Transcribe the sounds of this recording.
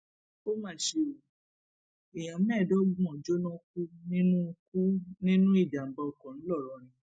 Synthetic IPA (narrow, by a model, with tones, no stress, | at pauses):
o˦mã˦˨˦ʃe˧o˨ | i˨j̃ã˨˦mɛ̃˦˨do˦ɡ͡bɔ̃˨d͡ʒo˦nɔ̃˦k̚u˦nĩ˦nũ˦˧ku˦nĩ˦nũ˦i˦˨d͡ʒa˨m̩˨ba˧ɔ˨kɔ̃˨ñ̩˦lɔ˦˨ɾɔ˨˦ɾ̃ĩ˧